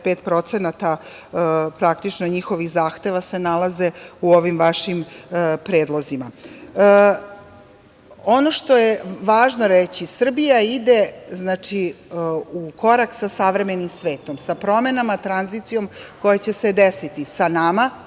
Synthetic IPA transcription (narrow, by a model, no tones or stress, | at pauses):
pet̪pɾo̞t̪senat̪a | pɾakt̪it͡ʃnoɲixo̞ʋixzaːxt̪e̞ʋase̞nalˠaze̞uoʋimʋaʃimpɾeːd̪lˠozima | onoʃt̪o̞jeʋaːʒno̞ɾet͡ɕisr̩bijaid̪eznaːt͡ʂi | uko̞ɾaksasaʋɾe̞menimsʋe̞ːt̪o̞msapɾo̞me̞namat̪ɾanzit̪sijo̞mko̞jet͡ɕe̞sed̪esit̪isanama